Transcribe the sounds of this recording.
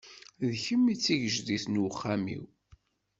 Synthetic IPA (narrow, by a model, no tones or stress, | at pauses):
ðçəmːit͡sːiʝəʒðiθnwəχːamḭw